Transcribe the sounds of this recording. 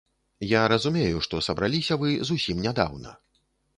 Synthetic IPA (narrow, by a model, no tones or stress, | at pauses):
jaɾɐzumʲeɛjuʂt̪ɔsɐbɾalʲisʲɐvɨzusʲimnʲad̪a̰wnɐ̰